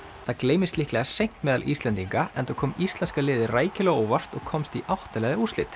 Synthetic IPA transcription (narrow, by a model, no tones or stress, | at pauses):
θakleːjmɪst̪lɪhklɛɣasejŋ̥t̪mɛːðalʔḭst̪ɛnt̪iŋkaɛ̰nt̪ɔkʰɔːmist̪lɛnskalɪːðɪraːjcɪlaɣoːwvar̥t̪ɔɣkʰɔmst̪iʔawht̪alɛɣðɪuslɪ̰t̪